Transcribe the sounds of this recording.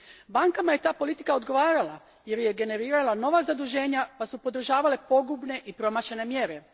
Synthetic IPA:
baŋkamaje̞t̪aːpo̞lit̪i̥kao̞d̪ɡo̞ʋaːɾala | je̞ɾjeɡe̞ne̞ɾiːɾalano̞ʋazad̪uʒe̞ːɲapasupo̞d̪r̩ʒaːʋale̞po̞ɡubne̞ʔipɾo̞maʃene̞mje̞ɾe̞

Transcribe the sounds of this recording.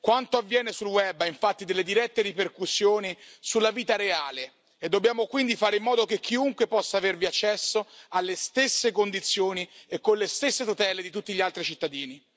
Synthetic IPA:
kwant̪oavːjɛːnesulwɛbːaiɱfat̪ːid̪elːed̪iɾɛt̪ːeɾiperkusːjoːnisulːaviːt̪aɾeaːle | ed̪ːobjaːmokwind̪ifaːɾeimːɔːd̪okek̟ːiuŋkwepɔsːaːverviat͡ʃːɛsːoalːest̪esːekond̪it̪sːjoːniekːonlest̪esːet̪ut̪ɛːled̪it̪ut̪ːiʎialt̪ɾit͡ʃit̪ːad̪iːni

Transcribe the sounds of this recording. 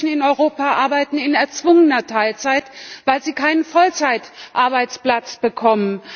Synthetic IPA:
n̩ɪnɔʏʁoːpaʔaɐbaɪtn̩ɪnɛɐt͡sv̥ʊŋənɐtʰaɪlt͡saɪtv̥aɪlziːkʰaɪnənfɔlt͡saɪtʔaɐbaɪt͡spl̥at͡sb̥əkʰɔmən

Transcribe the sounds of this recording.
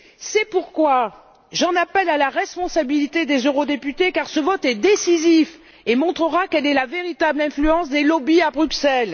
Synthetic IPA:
sɛpuʁkwa | ʒɑ̃napɛlalaʁɛspɔ̃sabilit̪ed̪ezøʁod̪epyt̪ekaʁsəvɔt̪ɛd̪esizif | emɔ̃t̪χəʁakɛlɛlaveʁit̪ablɛ̃flyɑ̃sd̪elɔbiabʁyksɛl

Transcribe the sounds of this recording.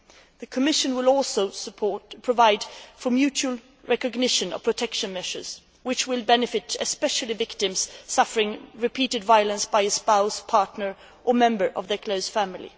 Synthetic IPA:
ðɨkʰɨmɪʃɨ̃nwɪlɔlˠsoʊpʰɔpʰɹ̥ɔvaɪd̥fə˞mjʉt͡ʃʉl̩ˠ | ɹɛkɨɡnɪʃɨ̃nə̰pʰɹ̥ɨtʰɛkʃɨ̃nmɛʒə̰˞z̥ | wɨt͡ʃwɪlˠbɛnɨfɨtɨspɛʃl̩ˠivɪktɨ̃mz̥sʌfə˞ɪ̃ŋɹɨpʰiɾɨdvaɪəlˠə̃nsb̥aɪɨspaʊspʰɑɹtnə˞ | ʔə˞mɛ̃mbə˞ʔʌvðə˞kʰl̥oʊz̥fæ̃mɪl̩ˠḭ

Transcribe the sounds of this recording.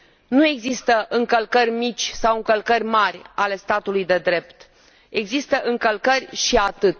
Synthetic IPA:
nue̞ɡzist̪əʔɨŋkəlkərʲmit͡ʃʲsawɨŋkəlkərʲmarʲale̞st̪at̪ulujd̪e̞d̪ɾe̞pt̪ | e̞ɡzist̪əʔɨŋkəlkərʲʃiat̪ɨt̪

